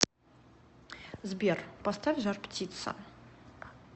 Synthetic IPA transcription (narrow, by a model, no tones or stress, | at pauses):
zbʲerpɐst̪afʲʒarptʲit̪sɐ̰